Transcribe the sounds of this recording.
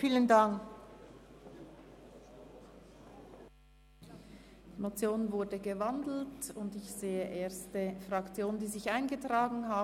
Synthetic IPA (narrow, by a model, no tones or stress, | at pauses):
fiːləndaŋk | d̥iːmot͡sjoːnvʊɐdəɡəvandl̩tʊndɪçz̥eːəʔeːɐstəfʁ̥ɑkt͡sjoːnəndiːzɪçaɪnɡətʁ̥aːɡŋn̩ɦaː